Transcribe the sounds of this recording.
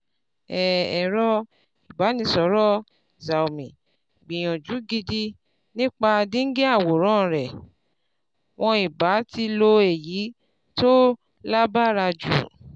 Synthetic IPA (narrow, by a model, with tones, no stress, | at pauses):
ɛ˨ɛ˨ɾɔ˦ | i˨ba˨˦nĩ˧˦sɔ˨˦ɾɔ˦ | za˨o˨mĩ˨ | ɡ͡bĩ˨j̃ɔ̃˨d͡ʒu˨˦ɡi˧di˧ | nĩ˦k͡pa˧dĩ˦ŋ̩˦ɡe˦a˦˨wo˨ɾ̃ɔ̃˦˨ɾɛ˨ | w̃ʔɔ̃˧i˨ba˨˦ti˧lo˧e˨ji˨˦ | to˦ | la˦ba˦˨ɾa˧d͡ʒṵ˨